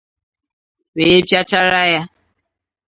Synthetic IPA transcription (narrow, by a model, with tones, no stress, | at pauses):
we˨e˦pja˦t͡ʃa˦ɾa˦ja˦